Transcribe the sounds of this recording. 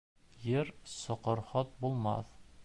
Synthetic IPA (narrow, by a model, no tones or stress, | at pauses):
jɘɾsɒqɤ̆ɾχɒt̪̚bulˠmɑ̰θ